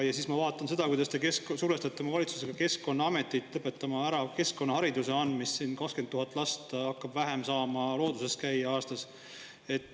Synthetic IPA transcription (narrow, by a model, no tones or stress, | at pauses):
jɑsismɑvɑːt̪ːˑɑnse̞d̪̥ɑkujd̪ɑst̪ekessuɾvest̪ɑt̪ːˑemɑvɑlit̪su̥se̞ɡ̥ɑke̞skko̞nːɑɑme̞t̪ːˑit̪ːˑlɤpːe̞t̪ːˑɑmɑæɾɑke̞sko̞nːɑhɑɾid̪use̞ɑnd̪misːinkɑkskent̪ːuɦɑt̪ːˑlɑst̪ɑkːɑb̥væɦe̞msɑːmɑlo̞ːd̪use̞st̪kæjɑɑːst̪ɑs | e̞t̪ːˑ